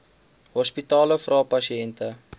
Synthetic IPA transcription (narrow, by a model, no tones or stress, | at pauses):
ɦɔspitɑːləfrʔɑːpɐsiɛntə